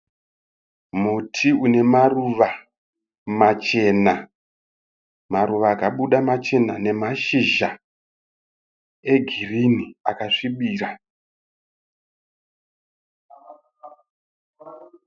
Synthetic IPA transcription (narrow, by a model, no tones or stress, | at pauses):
mutʰiune̞maruʋa | mat͡ʃe̞na | maruʋaːkaɓuɗamat͡ʃe̞nane̞maʃiʒa | e̞ɡʱiriniakaʂiɓiːra